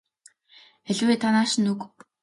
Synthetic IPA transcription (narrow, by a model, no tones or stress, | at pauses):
eɮweːt̪ʰanaːʃɪ̆nukp